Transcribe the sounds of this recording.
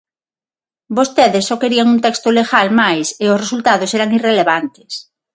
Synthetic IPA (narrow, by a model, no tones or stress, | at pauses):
bost̪eðesːɔkeɾiaŋunt̪ɛkst̪oleɣalmajsɪosresult̪aðosɛɾaŋireleβant̪ɪ̥s